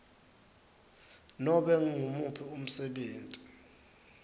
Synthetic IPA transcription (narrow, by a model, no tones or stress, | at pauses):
nɔɓɛŋŋumupʰium̩sɛɓeːntʼi